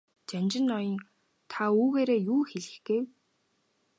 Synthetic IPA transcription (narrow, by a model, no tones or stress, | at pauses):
t͡ɕanʲt͡ɕɪ̆nːɔjɞ̆n | t̪ʰauːɣeːɾeːjuːxeɮɘ̆xɡ̥ew